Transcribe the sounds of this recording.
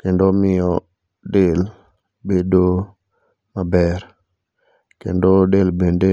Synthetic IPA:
kendomɪɔ | del | bedo | mabɛɾ | kḛndodelbende

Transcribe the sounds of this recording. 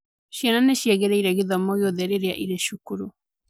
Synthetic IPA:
ɕiananeɕjaɣeɾɛiɾɛɣeðɔmɔɣeoðɛɾeɾeaʔiɾeʃukuɾu

